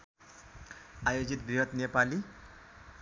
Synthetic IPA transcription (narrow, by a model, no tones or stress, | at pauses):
ajod͡zit̪bʱiɦʌt̪nepali